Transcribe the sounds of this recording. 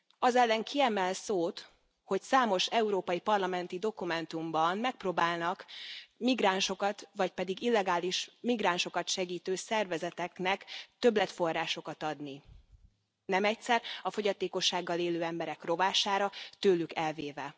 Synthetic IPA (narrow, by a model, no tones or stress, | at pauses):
ɒzɛlːɛŋkiɛmɛlsoːt̪ | ho̞csaːmo̞ʃɛuɾoːpɒjipɒrlɒmɛnt̪id̪o̞kumɛnt̪umbɒnmɛk̚proːbaːlnɒkmiɡraːnʃo̞kɒt̪ʋɒc̚pɛd̪iɡilːɛɡaːliʃmiɡraːnʃo̞kɒt̪ʃɛɡiːt̪øːsɛrvɛzɛt̪ɛknɛkt̪ø̞blɛt̪fo̞rːaːʃo̞kɒt̪ɒd̪ni | nɛmɛcsɛrɒfo̞ɟɒt̪eːko̞ʃːaːɡːɒleːløːɛmbɛɾɛkro̞vaːʃaːɾɒt̪øːlykɛlveːvɛ